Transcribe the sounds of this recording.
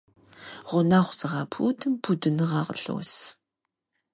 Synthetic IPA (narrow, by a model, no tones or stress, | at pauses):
ʁʷʊnaːχʷz̥ɨʁɑːpʰṵːtʰɨmpʰudɨnɨʁɑːʁəɬɐ̰ws